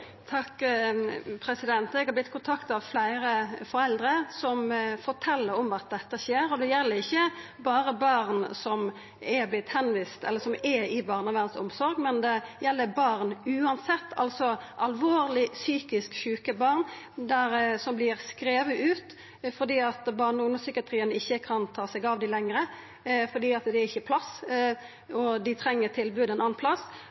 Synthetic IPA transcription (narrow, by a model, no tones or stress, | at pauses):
t̪ʰɑkː | pʰɾɛsɪd̪ɛnt̪ɛɡhɑb̪ɪt̪ːkʰʊnt̪ʰɑkt̪ɑʋflæɪɾəfɔɾɛld̪ɾəsɔmfɔʈʰɛlːəɾɔmɑt̪̚d̪ɛt̪ːəçeːɾɔd̪ɛjɛlːəɾɪçːə | bɑːɾəbɑɾnsɔm | ɛblɪt̪ːhɛnʋiːst̪ɛləɾsɔmɛɪbɑːʁnɑʋæʁnsʊ̰msɔɾɡmɛnd̪ɛjɛlːəbɑɾnʉːɑnsɛt̪ːɑ̰lsɔʔɑlʋoːʁlɪsyːkɪskɕʉːkəbɑʁn | d̪æɾsɔmblɪɾskɾeːʋəʔʉːt̪ | fɔd̪iːɑt̪bɑʁnəʊnəsʏkɪɑt̪ʰɾiːənɪçːəkʰɑnt̪ʰɑːsɛɡɑːʋd̪ɪlɛŋɾə | fɔd̪iːɑt̪d̪ɛæɾɪçːəpʰlɑs | ɔd̪ɪt̪ʰɾɛŋːət̪ʰɪlbʉːd̪ɛnɑːnpʰlɑsː